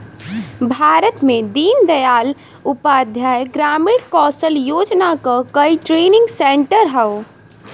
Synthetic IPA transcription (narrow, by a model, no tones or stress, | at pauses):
bʱaːɾət̪mẽd̪iːnd̪əjaːl | upad̪ʱjaːeɡɾaːmiɽkɔːsəljoːd͡ʒnakakəiʈɾeːnɪ̃ŋɡseɳʈəɾɦɛo